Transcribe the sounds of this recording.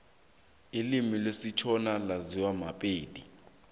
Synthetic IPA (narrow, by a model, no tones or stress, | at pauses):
ilimilesit͡ʃʰɔnalaziwamapʼeːdi